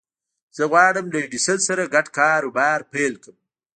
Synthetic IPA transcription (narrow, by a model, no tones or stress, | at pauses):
z̥əɣwɑːɽəmləɖisəlsaɾaɡaʈkɑːɾubɑːɾpelkəm